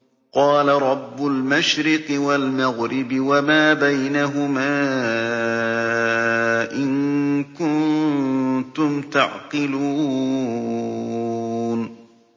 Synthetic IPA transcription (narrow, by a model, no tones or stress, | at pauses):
qɑːlaɾˤɑbːʊlmaʃɾɪqɨwalmaɣɾɪbɪwamaːbajnaɦʊmaː | ʔɪnkʊn | t̪ʊmt̪aʕqɪluː | n